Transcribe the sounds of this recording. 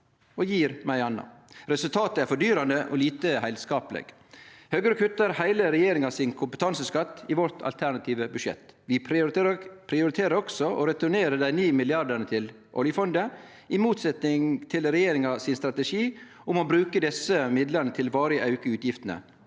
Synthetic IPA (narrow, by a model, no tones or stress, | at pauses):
ɔjiːɾmæɪɑnːɑ̰ɾɛsʉlt̪ʰɑːt̪əæɾfɔɖyːɾɑnd̪əʔɔ̰liːt̪əhæɪlskɑːpəlɛ̰ɡ̥ | høːɡəɾəkʰʉt̪ːəɾhæɪləɾɛjeːɾɪŋɑsɪnkʰʊmpət̪ʰɑnsəskɑt̪ːɪʋɔt̪ʰɑ̰lt̪ʰæɳɑt̪ʰiːʋəbʉʂjɛ̰t̪ːʋɪ | pʰɾɪʊɾɪt̪ʰeːɾəɾɔɡ̥sɔʔɔ̰ɾɛt̪ʉɳeːɾəd̪æɪnyːmɪlɪɑɖəɳət̪ʰɪl | ʔɔ̰ljəfɔnd̪ə | ɪmuːt̪sɛt̪nɪŋt̪ʰɪlɾɛjeːɾɪŋɑsɪnst̪ɾɑt̪ɛʂiː | ʊmɔbɾʉːkəd̪ɛsəmɪd̪lənət̪ʰɪlʋɑːɾɪəʔɑʉkəʉːt̪jɪft̪ənə̰